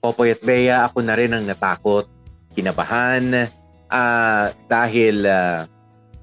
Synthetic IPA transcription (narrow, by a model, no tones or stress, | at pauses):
kopojɐt̪̚bɛjɐʔɐkonɐɾɛnɐŋnɐt̪aːkot̪̚kɪnɐbɐ̰han | ʔad̪̥aːɦɪla